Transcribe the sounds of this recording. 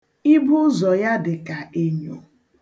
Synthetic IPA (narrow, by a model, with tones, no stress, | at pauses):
i˦bʊ˦zɔ˨ja˦dɪ˨ka˨e˨ɲo˨